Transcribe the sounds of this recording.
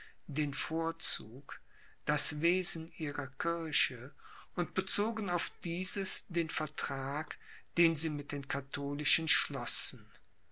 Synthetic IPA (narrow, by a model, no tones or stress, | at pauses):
d̥eːnfoːɐt͡suːk | d̥asveːzn̩ʔiːʁɐkʰɪɐɕə | ʔʊntb̥ət͡soːɡn̩aʊfd̥iːzəsd̥eːnfɛɐtʁ̥aːk | d̥eːnziːmɪt̚d̥eːnkʰatʰoːlɪʃənʃlɔsn̩